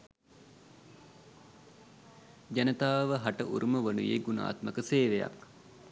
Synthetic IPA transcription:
d͡ʒanət̪aːʋəɦaʈəʔuɾuməʋənujeɡuna̰ːt̪məkəseːʋeja̰k

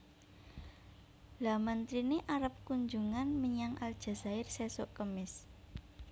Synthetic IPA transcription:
lamənt̪ɾineʔaɾəp̚kuɲd͡ʒuŋanməɲaŋʔa̰ld̥ʒ̥ä̤za̤ɪrsesoʔkəmɪs

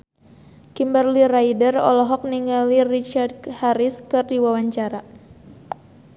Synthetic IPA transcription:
kimbərlirajdərɔ̰lɔɦɔk̚niŋalirit͡ʃard̚haɾiskɨrdiwawaɲt͡ʃaɾa

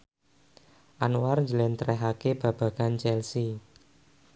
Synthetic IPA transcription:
ʔanuwarɲd͡ʒəlɛnt̪əɾɛɦakeb̥ä̤b̥ä̤ɡ̥ant͡ʃɛlsi

